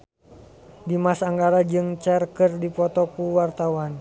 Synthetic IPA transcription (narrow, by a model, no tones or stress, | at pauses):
dimasaŋɡaɾad͡ʒɨŋt͡ʃɛrkɨrdipɔt̪ɔkuwart̪awan